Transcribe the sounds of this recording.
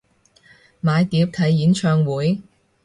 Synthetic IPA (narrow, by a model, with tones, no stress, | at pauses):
maː˨˧jt̪iː˨˥w̚t̪ʰɐ˨˥jːiː˨˥nt͡ʃʰœː˧ŋwuː˨˥j